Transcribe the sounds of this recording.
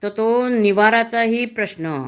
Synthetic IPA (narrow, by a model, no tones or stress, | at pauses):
t̪ot̪oniʋaɾat͡saɦiːpɾəɕnə